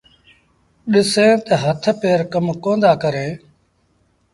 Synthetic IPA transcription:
ɗɪsẽːt̪əɦət̪ʰpeːɾkəmkõːnd̪aːkəɾẽː

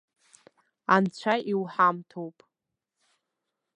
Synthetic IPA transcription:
ant͡ɕʷʰaʔiwħamtʰowpʼ

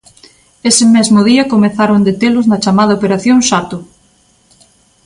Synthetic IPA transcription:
esɪmɛzmʊð̞iɐkomeθaɾond̪et̪elʊznɐt͡ʃamað̞ɐopeɾaθjoŋsat̪ʊ

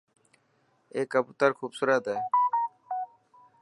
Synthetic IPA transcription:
eːkɐbut̪aɾkʰuːbsuɾət̪ɛ

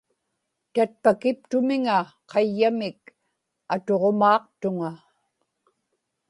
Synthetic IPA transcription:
t̪at̪̚pakɪp̚t̪ʊmɪŋa | qʰɑjːamɪk | at̪o̞ʁomɑːq̚t̪ʊŋa

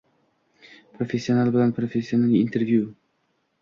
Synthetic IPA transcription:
pʰɾofe̞sːio̞nalˠbɪlanpʰɾofesːio̞naliːnt̪ʰe̞ɾvju

